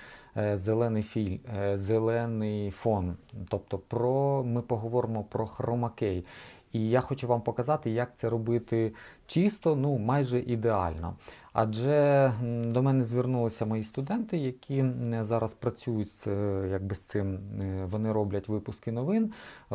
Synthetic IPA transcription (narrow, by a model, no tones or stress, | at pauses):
zelˠɛnɪjfʲilʲmzelˠɛnɪjfɔnt̪ɔp̚t̪ɔpɾɔmɪpɔɦɔʋɔɾɪmɔpɾɔxrɔmɐkɛj | ijaxɔt͡ʃʊʋɑmpɔkɐzɑt̪ɪjak̚t̪sɛɾɔbɪt̪ɪt͡ʃist̪ɔnumɑjʒɛʔid̪eɑ̰lʲnɔ̰ | ɐ̰d͡ʒɛ | d̪ɔmɛnɛzʲʋʲɪrnulˠɪsʲɐmɔjist̪ʊd̪ɛnt̪ɪjɐkʲʰizɑɾɐspɾɐt͡sʲujʊtʲsjɐɡ̚bɪst̪sɪmʋɔnɪɾɔblʲɐtʲʋɪpʊskɪnɔʋɪn